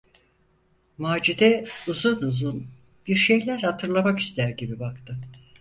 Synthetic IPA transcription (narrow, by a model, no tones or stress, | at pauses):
maːd͡ʒid̪ɛuzunuzun | b̥iɾʃe̞jlʲæɾhat̪ʰɯɾlˠamaki̥st̪æɾɟibibakt̪ʰɯ